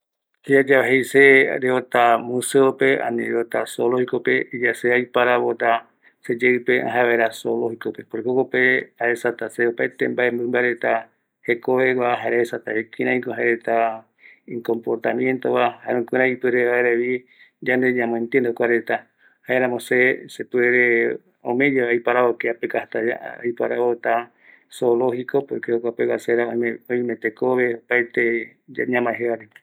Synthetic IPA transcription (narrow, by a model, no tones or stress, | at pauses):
hiad͡ʒaβaɦejseɾeot̪amũseope̞ʔa̰nḭ̃ɾeot̪asolohikopeʔid͡ʒaseajpaɾaβot̪a | sed͡ʒeɨpeʔa̰ɦaβaeɾasolohikope̞poɾekokopeaesat̪aseopaet̪embaembɨmbaɾet̪a | he̞koβewʷaɦaeɾaesat̪a̰ekiɾãjkoɦaeɾet̪a | iŋkompoɾt̪amjẽ̞nt̪owahaeɾõkɨɾãipɨɾeaeɾeβi | d͡ʒand̪eɲãmõẽnt̪iend̪okʷaɾet̪a | haeɾãmõsesepweɾe | omẽd͡ʒeajpaɾaβokeapekahat̪aa̰a̰jpa̰ɾaβot̪a | solohiko̞pokeokʷapewaseɾaoõĩmẽt̪ekoβeopajt̪ed͡ʒɲãmãeɦeβaɾi